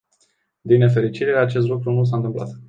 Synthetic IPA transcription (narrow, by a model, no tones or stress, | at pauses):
d̪inːe̞fe̞ɾit͡ʃiɾeat͡ʃe̞st̪lukɾunus̬ant̪ɨmpla̰t̪